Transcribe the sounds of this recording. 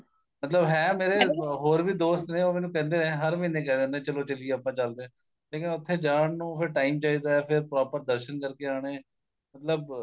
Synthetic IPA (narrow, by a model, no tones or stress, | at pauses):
mət̪ləbɦɛːmeːɾeːɦoːɾʋiːd̪oːst̪neːoːmɛːnũːkɛ̃ːnd̪eːẽːɦəɾmiːnːẽːkɛːd̪ẽːnd̪ẽːt͡ʃəloːt͡ʃəlieəːpãːt͡ʃəld̪ẽː | leːkɪnʊt̪ʰːeːd͡ʒaːɳnũːpʰɪɾʈaːiːmt͡ʃaːiːd̪aːaːpʰɪɾpɾɔːpəɾd̪əɾʃənkəɾkeːaːɳ̃eː | mət̪ləb̚